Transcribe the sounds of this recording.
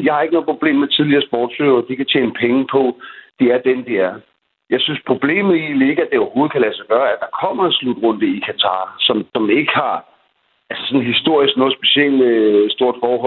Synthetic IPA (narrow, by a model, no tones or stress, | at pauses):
jɑ̈hɑ̈e̝ɡ̥ənɔ̽ð̩ˠpʰʁob̥le̝̰ːmet͡sʰið̞ˠliɐsb̥ɒ̰ːd̥søɐɒd̥ikʰæt͡ɕʰḛːnəpʰeŋpʰɒ̽d̥iæɐd̥end̥eæɐ | jɑ̈ɪsynspʰʁo̝b̥le̝̰ːmð̩ˠileɡ̥æd̥eɒʊɐho̝ːð̞̩ˠkʰælæsɑɡ̥ɶːɐæd̥ɑ̈kʰɒ̽m̰ɐenslud̥ʁɔ̽n̰d̥əikʰæt͡sʰɑ̰̈ːsɒ̽msɒ̽me̝ɡ̥əhɑ̈ | ælsə̥sɒ̽nɦisd̥o̝ɐ̰isɡ̥nɔ̽ːð̩ˠsb̥e̝ɕel̰esd̥o̝ɐ̰d̥fɒːɦɔ̽